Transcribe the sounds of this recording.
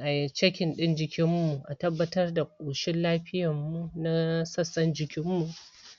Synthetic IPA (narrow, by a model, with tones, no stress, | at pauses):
ʔa˨jt͡ʃɐ˦kʲɪ˨nɗɪ˦nd͡ʒɪ˨kʲɪ˦mːu˨ʔa˨tɐ˦bːɐ˦tɐ˦rda˨kʷʼoː˨ʃɪ˦nlaː˦ɸɪ˦jɐ˨mːu˦na˦sɐ˦sːɐ˦nd͡ʒɪ˨kʲɪ˦mːu˨ʔ